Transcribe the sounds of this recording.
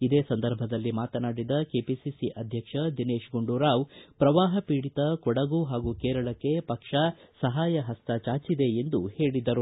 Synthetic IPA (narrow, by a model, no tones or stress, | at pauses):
id̪eːsɐnd̪ɐɾbʱɐd̪ɐlːimaːt̪ɐnaːɽid̪ɐkeːpisisiʔɐd̪ʱjɐkʂɐd̪ineːʃɡuɳɖuɾaːwpɾɐʋaːɦɐpiːɽit̪ɐkɔɽɐɡuɦaːɡukɛːɾɐɭɐkːe̞pɐkʂɐsɐɦaːjɐɦɐst̪ʰɐt͡ʃaːt͡ʃid̪e̞end̪uhe̞ːɭid̪ɐɾu